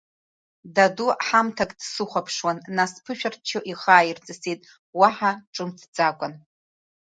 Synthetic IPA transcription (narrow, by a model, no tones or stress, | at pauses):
daduħamtʰakʼd̥sɨχʷapʰʂwanːaspʰɨʃᶣartʰt͡ʃʰoʔiχaːjirt͡sʼɨsitʼ | waħaʈ͡ʂʼɨmtʰd͡zʼakʷʼan